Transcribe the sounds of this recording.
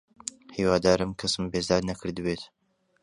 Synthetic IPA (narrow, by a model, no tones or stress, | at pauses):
hiːwaːd̪aːɾɨmkʰɐsɨmbeːzd̪aːɾnɐkʰɨɾd̪ɨbeːt̪